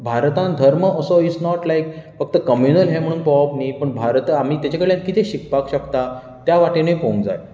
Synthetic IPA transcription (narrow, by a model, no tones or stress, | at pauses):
bʱaɾt̪ãnd̪ʱəɾməəsɔit͡snɔʈlajkfək̚t̪əkəmjunəlɦem̤əɽ̃ũːnpɔʋapnipəɳbʱaɾt̪am̤iːt̪jat͡ɕakəɽɭljãnkit̪ʰeɕikpakɕəkt̪a | t̪jaʋaʈenəjpõũŋd͡za̰j